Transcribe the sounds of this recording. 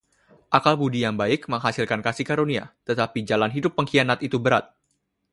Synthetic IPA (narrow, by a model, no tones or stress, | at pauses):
ʔakalbudijaŋbaɪk̚məŋɦasilkankasihkaɾonia̰t̪ət̪apid͡ʒalanɦidʊpːəŋkianat̪it̪ubəɾa̰t̪̚